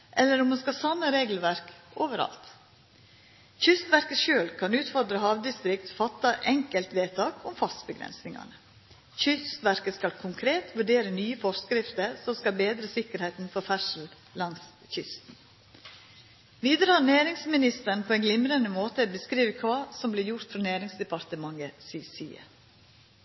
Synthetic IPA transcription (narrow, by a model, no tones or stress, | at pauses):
ʔɛlːəɾʊmɑnskɑsɑmːəɾeːɡl̩ʋæɾkoːʋəɾɑ̰lt̪ | çʏst̪ʋæɾkəʃøːlkʰɑnʉːt̪fɔɾd̪ɾəhɑːʋd̪ɪst̪ɾɪkt̪fɑt̪ːɑʔɛŋkəlt̪ʋeːt̪ʰɑːkʰʊmfɑst̪bəɡɾɛ̰nsnɪŋɑ̰nə | çʏst̪ʋæɾkəskɑlkʰʊŋkʰɾeːt̪ʋʉɖeːɾənyːəfɔɾskɾɪft̪əɾsɔmskɑlbeːd̪ɾəsɪkəɾhæɪt̪n̩fɔɾfæʂl̩ | lɑŋs | çʏst̪n̩ | ʋiːd̪əɾəhɑnæːɾɪŋsmɪnɪst̪əɳ̩pʰoːɛɪnɡlɪmɾənəmoːt̪əbəskɾiːʋəkʰʋɑːsɔmblɪɾjʊɾt̪fɾɑnæːɾɪŋsd̪ɛpɑɾt̪əmɑŋəsisiːə̰